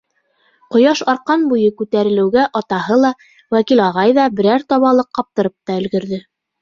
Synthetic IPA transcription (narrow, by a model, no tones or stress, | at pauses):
qŏjɑʃɑɾqɑnbujɤkʉt̪æɾɘ̆lɘ̆wɡæʔɑt̪ɑhɤlˠɑ | wækilɑʁɑjðɑbɘ̆ɾæɾt̪ɑβɑlˠɤqːɑp̚t̪ɤ̆ɾɤp̚t̪ɑɵ̆lɡɵ̆ɾðɘ